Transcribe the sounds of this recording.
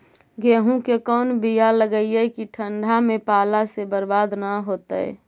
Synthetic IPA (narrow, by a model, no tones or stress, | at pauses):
ɡeːɦũkekɔːnbijaləɡəiekiʈʰəɳɖʱamẽpaːlasebəɾbaːd̪naɦoːt̪əɛ̰